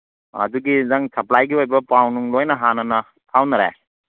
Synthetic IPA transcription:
ɐ̰duɡizaŋsɐplajɡiojbɐpawnuŋlojnɐɦanɐnɐ | tʰawnɐɾa̰

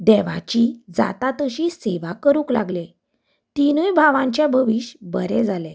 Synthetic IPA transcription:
d̪ɛʋa̰t͡ɕid͡za̰t̪at̪əɕiseʋakəɾũːkla̰ɡle | t̪inujbʱaʋãɲt͡ɕjabʱəʋiɕbə̰ɾɛd͡zale

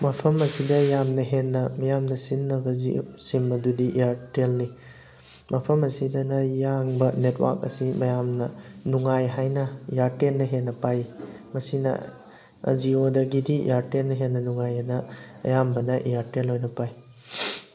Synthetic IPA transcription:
mɐpʰɐmɐsidɐjamnɐɦenːɐmɐjamnɐsinːɐbɐzisimbɐdudiʔiaɾtelni | mɐpʰɐmɐsidɐnɐjaŋbɐnetwa̰ɾkɐ̰simɐjamnɐnuŋajɦajnɐijaɾtenːɐɦenːɐpajmɐsinɐ̰ | ɐ̰ziodɐɡidiḭjaɾtenːɐɦenːɐnuŋajɐnɐɐ̰jambɐnɐʔijaɾtelɦojnɐpaj

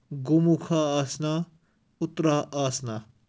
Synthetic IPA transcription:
ɡumukʰaːsna | ut̪ɾaaːsna

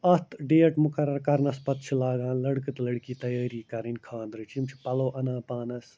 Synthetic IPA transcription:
ɐt̪ʰɖeːɐʈmʊkɐɾɐɾkɐɾnɐspɐt̪t͡ʃʰilaːɡãːnlɐɽkɨt̪lɐɽkiːt̪ɐjaːɾiːkɐɾinʲkʰaːnd̪ɾɨt͡ʃimt͡ʃʰi̥pɐloːʔɐnãːpaːnɐs

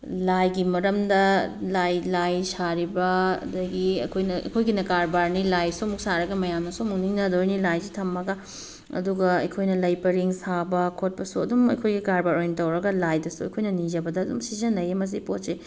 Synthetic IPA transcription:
lajɡimɐɾɐmdɐlajlajsaɾibɐɐ̰dɐɡiɐ̰kʰojnɐɐ̰jkʰojɡinɐkaɾbaɾnilajsomuksaɾɐɡɐmɐjamnɐsomuk̚niŋnɐdoɾjnilajzitʰɐmːɐɡɐ | ɐ̰duɡɐɐ̰jkʰojnɐlɐjpɐɾiŋsabɐkʰot̚pɐsuɐ̰dumɐ̰jkʰojɡikaɾbaɾojntɐwɾɐɡɐlajdɐsuɐ̰jkʰojnɐnid͡ʒɐbɐdɐːdumsizɐnlɐjemɐs̬ipotse

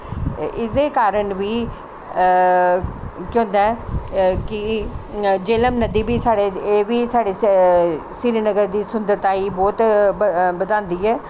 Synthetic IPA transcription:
ɪsd̪eːkaːɾəɳʋiː | kjõːnd̪a | kɪ | d͡ʒeːləmnəd̪iːbiːsaːɽeːeːʋiːsaːɽeː | sɪɾiːnəɡəɾd̪iːsʊnd̪əɾt̪aːiːbɔːt̪ | bəd̪ãːnd̪iːɛː

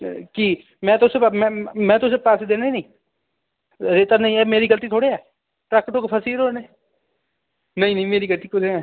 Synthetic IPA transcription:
ki | mɛ̃ːt̪ʊsemɛ̃ːmɛ̃ːt̪ʊseːpaːseːd̪eːnaiːnəĩː | ɾeːt̪aːnəĩɛːmeːɾiːɡəlt̪iːt̪ʰoːɽeɛː | ʈɾaːkːəʈoːkepʰəsiːɾoːneː | nəĩːnəĩːmeːɾiːɡəlt̪iːkʊd͡ʒeɛː

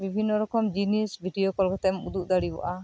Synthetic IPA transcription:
bibʱinːɔɾɔkɔmd͡ʒinisbʱiɖiɔkɔlkɔt̪ɛɔmud̪uʔd̪aɽibɔ̰ʔa

